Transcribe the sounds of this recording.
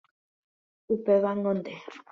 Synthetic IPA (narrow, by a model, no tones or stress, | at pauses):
upeβaŋɡõnd̪e